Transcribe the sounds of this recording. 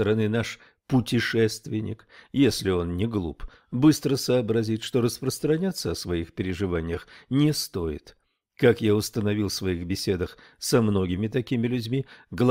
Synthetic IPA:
əɾɐnɨnaʂ | pʊtʲɪʂɛst̪vʲɪnʲɪ̰kjesʲlʲɪo̞nnʲɪɡlˠṵp | bɨst̪ɾəsəːbɾɐzʲit̪ʲʂt̪o̞ɾəspɾəst̪ɾɐnʲat̪sːəɐsvɐixpʲɪɾʲɪʐɨvanʲɪjəxnʲɪst̪o̞ɪ̰t̪ | kakjaʊst̪ənɐvʲilˠsvɐixbʲɪsʲe̞d̪əx | sɐmno̞ɡʲɪmʲɪt̪ɐkʲimʲɪlʲʉdʲmʲiɡlˠ

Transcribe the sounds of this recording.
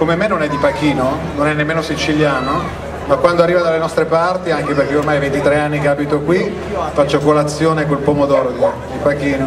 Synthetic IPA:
komemenːonɛd̪ːipakiːnononɛnːemːeːnosit͡ʃiljaːno | makwand̪oarːiːvad̪alːenɔst̪ɾepart̪iaŋkeperk̟eormajvent̪it̪ɾeanːikeaːbit̪okwi | fat͡ʃːokolat̪sːjoːnekolpomod̪ɔːɾod̪ | d̪ipak̟iːno

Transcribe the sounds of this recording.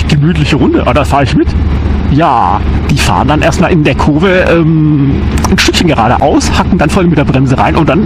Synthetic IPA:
ɡ̥əmyːtlɪçəʁʊndəʔa̰dafaːɐəɪçmɪt | jaːd̥iːfa̰ːʁəndanʔḛːɐstmaːlɪndeːɐkʰoːvəʔɛːm | nʃtʏkçənɡəʁaːɾə̰ʔa̰ʊshakŋ̩danfɔɐaɪnəmɪtdeːɐbʁɛmzəʁa̰ɪnʔʊnt̚d̥an

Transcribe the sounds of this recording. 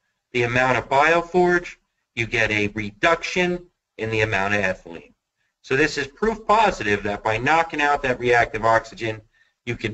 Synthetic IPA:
ðiɨmãʊ̃ɾ̃ʌvbaɪoʊfɔɹd͡ʒ | jɨɡɛɾɨɹɨdʌkʃɨ̃n | ɨ̃nðiɨmãʊ̃ɾ̃ʌvæθəlḭ̃n | soʊðɪsɨz̥pʰɹ̥ufpʰɑzɨɾɪvðɨt̚b̥aɪnɑkɪ̃ŋaʊt̪̚ðɨt̚ɹiæk̚tɨvɑksɨd͡ʒɨ̃n | jɨkʰɨ̃

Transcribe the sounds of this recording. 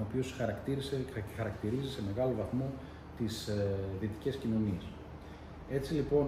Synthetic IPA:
opio̞sxɐɾɐkt̪iɾisexɐɾɐkt̪iɾizise̞me̞ɣɐlovɐθmo̞ | t̪isðiet̪i̥ce̞scino̞nies | e̞t͡silipo̞

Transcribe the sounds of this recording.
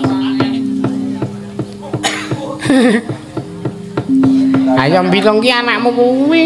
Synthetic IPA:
a̰jɔmbilɔŋkianaʔmokuwi

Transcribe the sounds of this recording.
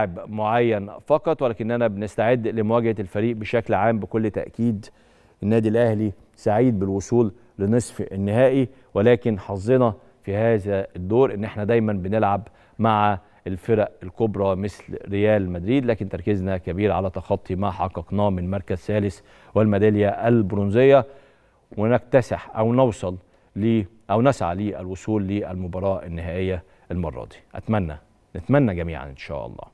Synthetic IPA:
ʕebmoʕajːænfɑqɑt̪ˤwælæːkenːʔænæbenɪst̪aʕed̪ːlɪmʊwæːɡhlfæɾiːʔbeʃæklʕaːmbɪkolːt̪æ̰ʔkiːd̪ | ʔɪnːæːd̪ilʔæhli | saʕiːd̪̚bɪlwosˤuːlː | ɪnɨsˤfenːɪhæːʔi | welæːkɪnħɑzˤːenɑ | fihæːzæd̪ːoːɾʔɪnːʔeħnæd̪æjmænbɪnelʕab | maʕa | ʔelfeɾæʔelkobɾˤɑmɪslɾejæːlmæd̪ɾiːd̪læːkɪnt̪ɑɾˤkɪznækæbiːɾʕalæt̪ɑxɑt̪ˤːimaħɑqːɑqnɑːmɪnmɑɾˤkæzsæːlɪs | wɪlmæd̪æljæʔælbɾonzejːæ | wenækt̪æsɪħʔæwnɑwsˤɑlː | iː | ʔæwnæsʕa̰liːʔælwosˤuːlːiːʔælmʊbɑɾˤɑːʔænːɪhæːʔejːæ | ʔælmɑ̰rˤːɑ̰d̪i̥ʔæt̪mænːæ̰ | nɪt̪mænːæɡæmḭːʕa̰nʔɪnʃæ̰ːʔɑ̰lˤːɑ̰ː

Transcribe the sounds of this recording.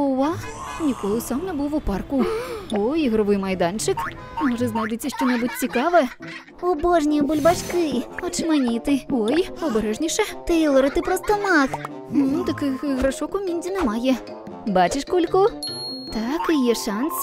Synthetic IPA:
ɔvasnʲikɔlˠɨsamnɛbuwuparkuɔjɣɾɨvɨjmajd̪ant͡ʂɨk | mɔʐɐznajd̪ɨt͡sʲɐʂt͡ʂɔnɛbut͡sʲt͡sʲikavɨ | ɔbɔʐnʲijɐbɔlʲbat͡ʂkɨɔt͡ʂɨmanʲit̪ɨɔjɔbɛɾɛʐnʲiʂɐt̪ɨilˠɐɾɐt̪ɨpɾɔst̪ɐmak | nd̪ɨkɨxɨɣɾaʂɔkumʲinʲdʲinɛmajɛ | bat͡ʃɨʂkɔlʲkɔt̪akijɛʂans

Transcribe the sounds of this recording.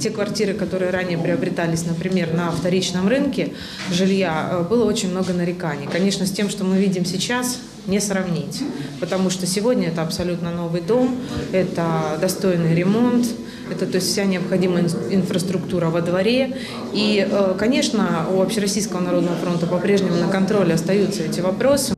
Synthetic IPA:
tʲe̞kvɐrtʲiɾɨkɐt̪o̞ɾɨjəɾanʲɪjəpɾʲɪɐbɾʲɪt̪alʲɪsʲnəpɾʲɪmʲe̞rnəːft̪ɐɾʲit͡ɕnəmrɨnkʲɪ | ʐɨlʲjabɨlˠəo̞t͡ɕɪnʲmno̞ɡənəɾʲɪkanʲɪkɐnʲe̞ʂnəsʲtʲe̞mʂt̪o̞mɨvʲidʲɪmsʲɪt͡ɕas | nʲɪsrɐvnʲitʲpət̪ɐmuʂt̪o̞sʲɪvo̞dʲnʲəɛt̪əɐpsɐlʲut̪nəno̞vɨjd̪o̞mɛt̪əd̪ɐst̪o̞jnɨjɾʲɪmo̞nt̪ | ɛt̪ət̪o̞ɪsʲtʲfsʲanʲɪɐpxɐdʲiməjɪnfɾəst̪ɾʊkt̪uɾəvəd̪vɐɾʲe̞ | iəkɐnʲe̞ʂnəuvɐpɕɪɾɐsʲijskəvənɐɾo̞d̪nəvəfɾo̞nt̪əpɐpɾʲeʐnʲɪmʊnəkɐnt̪ɾo̞lʲɪɐst̪ɐjut̪sːəɛtʲɪvɐpɾo̞sɨ

